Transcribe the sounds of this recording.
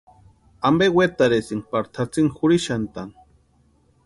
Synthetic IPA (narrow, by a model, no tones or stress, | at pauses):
ambewet̪aɾesiŋpaɾt̪ʰat͡siŋxʊɾiʃant̪an